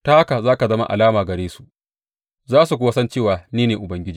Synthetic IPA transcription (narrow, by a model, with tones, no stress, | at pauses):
ta˦ha˦ka˨zaː˦ka˨zɐ˦ma̰˦ʔa̰˨laː˦maː˨ɡɐ˨ɾeː˦su˨ʔ | zaː˦su˨k̬ʷʊ˦wa˦sɐ˦nt͡ʃeː˦˨waː˨niː˦neː˨ʔʊ˨bɐ˦ŋɡʲɪ˦d͡ʒiː˦